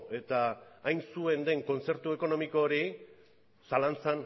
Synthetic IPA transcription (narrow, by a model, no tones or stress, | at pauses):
e̞t̪aːjnsue̞nd̪e̞ŋko̞nt͡se̞ɾt̪ue̞ko̞no̞miko̞ːɾi | salant͡san